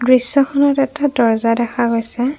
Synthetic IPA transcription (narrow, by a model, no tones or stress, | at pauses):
dɹisːɔxʰɔnɔtɛtadɔɹzadɛxʰaɡojsɛ